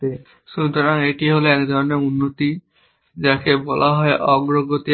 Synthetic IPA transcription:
e | ʃunt̪oɾaŋeʈiɦoleɛkd̪ʱɔɾɔneunːot̪i | d͡ʒakebɔlʔaɦɔeʔɔɡɾoɡot̪i

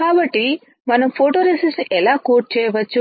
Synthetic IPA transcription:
aːbɐʈːi | mɐnɐmpʰoːʈoːɾesɐsnʔɛlaːkoːʈ̚t͡ʃɛːjʋɐt͡ʃːu

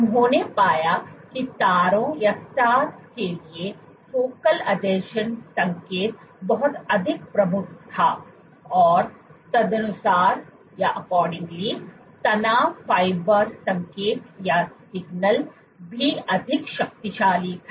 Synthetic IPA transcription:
ʊnɦõːnepaːjakit̪aːɾõjastaːt̪kelie | foːkəlɐɖeːʃənsɐ̃ŋkeːt̪̚bɐɦʊt̪ɐd̪ʱɪk̚pɾɐmʊkʰt̪ʰa | ɔːɾt̪ɐd̪ɐnʊsaːɾ | jaʔɐkɔːɾɖɪ̃ŋɡli | t̪ɐnaːfaːɪbəɾsɐ̃ŋkeːt̪jasɪɡnəl | bʱiɐd̪ʱɪkʃɐk̚t̪iʃaːlit̪ʰa

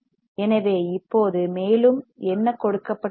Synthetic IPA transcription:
ɛnɐʋeːɪpːoːðɯmeːlɯmɛnːɐkɔɽɯkːɐpːɐ

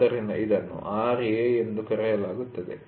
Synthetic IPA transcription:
ɐɾinɐ̰ʔid̪ɐnːṵʔaːɾieend̪ukɐɾɛjɐlaːɡut̪ːɐd̪ḛ

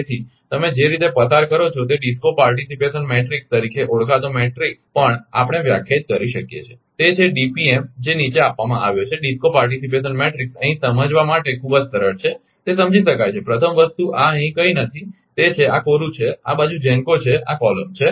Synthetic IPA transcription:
et̪ʰi | t̪əmed͡ʒeɾit̪epəsaɾkəɾot͡ʃʰot̪eɖiskopaɾʈisipeʃənmeʈɾikst̪əɾikʰeʔoɽkat̪omeʈɾikspəɳa̰pəɽ̃eʋja̰kʰjed͡ʒkəɾiʃəkjḛt͡ʃʰe | t̪et͡ʃʰeɖipiemd͡ʒenit͡ʃeapːamãʔa̰ʋjot͡ʃʰeɖiskopaɾʈ̬isipeʃənmeʈɾiksəɦĩsəməd͡ʒʋamaʈekʰubəd͡ʒsəɾəɭt͡ʃʰe | t̪esəmd͡ʒiʃəkajt͡ʃʰepɾət̪ʰəmʋəst̪uʔaəɦĩkəinət̪ʰi | t̪et͡ʃʰeakoɾut͡ʃʰea̰bad͡ʒud͡ʒɛ̃ŋkot͡ʃʰea̰kɔləmt͡ʃʰe

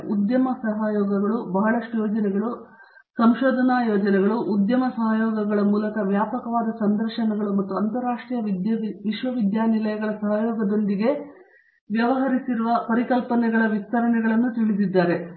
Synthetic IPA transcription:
ud̪jɐmɐsɐɦaːjɔːɡɐɡɐɭubɐɦɐɭɐʂʈujoːd͡ʒɐnɛɡɐɭu | sɐmʃɔːd̪ʱɐnaːjɔːd͡ʒɐnɛɡɐɭuʔud̪jɐmɐsɐɦajɔːɡɐɡɐɭɐmuːlɐkɐʋjaːpɐkɐʋaːd̪ɐsɐnd̪ɐɾʂɐnɐɡɐɭumɐt̪ːuɐnt̪ɐɾaːʂʈɾijɐd̪ʋiʃʋɐʋid̪jaːnilɐjɐɡɐɭɐsɐɦajɔːɡɐd̪o̞nd̪iɡe̞ | ʋjɐʋɐɦɐɾisiɾuʋɐpɐɾikɐlpɐnɛɡɐɭɐʋist̪ɐɾɐnɛɡɐɭɐnːut̪iɭid̪id̪ːaːɾe̞

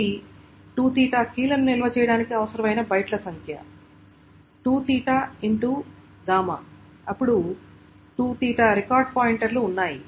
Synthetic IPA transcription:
i | ʈuːt̪iːʈakiːlɐnunilɐʋɐt͡ʃɛːjɐɽaːnikiɐʋɐsɐɾɐmɐjnɐbɐjʈlɐsɐŋkʰjɐ̰ | ʈuːt̪iːʈaiɳʈu | ɡaːmɐ̰ | ɐpːuɽu | ʈuːt̪iːʈɐɾekaːɾɖ̚paːjiɳʈɐɾluːnːaːji

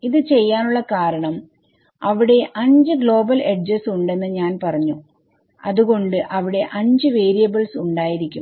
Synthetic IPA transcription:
iðɨt͡ɕe̞jːaːnuɭːɐkaːɾɐɳɐm | ɐʋiɽe̞ʔɐɲd͡ʑɨɡɭo̞ːbɐleɖd͡ʑɐsuɳɖe̞nːɨɲaːnpɐrɐɲːu | ɐðuɣo̞ɳɖɨʔɐʋiɽe̞ʔɐɲd͡ʑɨʋe̞ːɾijɐbɐɭsuɳɖaːjiɾikʲːum

